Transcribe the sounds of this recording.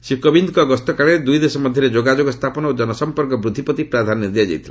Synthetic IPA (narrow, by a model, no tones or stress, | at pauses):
sikɔbind̪ɔkɔɡɔst̪ɔkaɭed̪ujd̪esɔmɔd̪ʱjɔɾed͡ʒoɡad͡ʒoɡɔst̪ʰapɔnɔod͡ʒɔnɔsɔmpɔɾkɔbɾud̪ʱːipɔt̪ipɾad̪ʱanɔnid̪jad͡ʒa̰jt̪ʰila